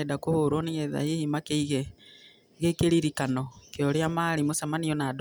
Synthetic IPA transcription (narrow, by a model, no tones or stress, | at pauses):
ɛdakohoɾwɔneɣɛða̰hehimakeiɣɛ | ɣekeɾiɾikanɔkeɔɾeamaɾimosamaniɔnad